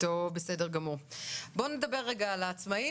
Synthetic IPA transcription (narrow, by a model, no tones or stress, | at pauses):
tobesedeʁɡamuʁbo̞ne̞d̪ɐbe̞ʁːeɡaːlaːt͡smai